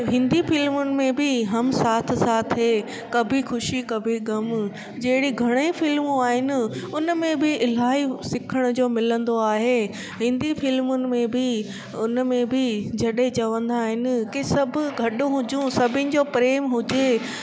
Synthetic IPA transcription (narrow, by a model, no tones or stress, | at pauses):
ɦɪ̃nd̪ifɪlmʊnɪ̆mẽbɪɦɐmsaːt̪ʰsaːt̪ʰɦeː | kɐbʱixʊʃikɐbʱiɡɐm | d͡ʑɐɦɪɽiɡʱɐɽ̃ifɪlmũaːɦɪnɪ̆ʊnəmẽbɪɪl̤aːɦisɪkʰəɽ̃ʊd͡ʑoːmɪlə̃nd̪oaːɦeː | ɦɪ̃nd̪ifɪlmʊnɪ̆mẽbɪ | ʊnmẽbɪd͡ʑɐɗɦẽt͡ɕɐʋə̃nd̪aːɦɪnɪ̆kisɐbʱʊ̆ɡʱɐɗʊ̃ɦʊd͡ʑũsɐbʱɪnɪ̆d͡ʑoːpɾeːmɦʊd͡ʑe